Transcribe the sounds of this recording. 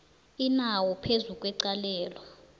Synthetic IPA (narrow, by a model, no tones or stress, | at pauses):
inawɔpʰezukʼwɛǀalɛːlɔ